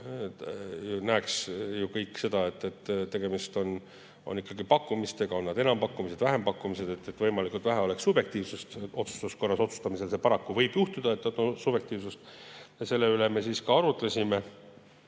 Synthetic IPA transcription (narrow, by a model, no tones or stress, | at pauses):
junæːksjukɤjkːse̞d̪̥ɑe̞t̪ːet̪ːt̪ːe̞ɡ̥e̞mist̪o̞n | o̞̰nikːˑɑɡipɑkːumist̪eɡ̥ɑo̞nːɑd̪̥e̞nɑmpɑkːumise̞d̪̥væɦe̞mpɑkːˑumise̞d̪e̞t̪ːet̪vɤjmɑlikˑult̪væɦeo̞leksːub̥je̞k̚t̪iːvsust̪o̞t̪su̥st̪usko̞rːɑso̞t̪su̥st̪ɑmise̞lse̞pɑɾɑkːuvɤjbjuht̪ud̪̥ɑet̪ːnɑd̪̥osub̥je̞kt̪iːvsust̪jɑse̞lːe̞yleme̞siːskɑɑɾut̪ˑlesʲime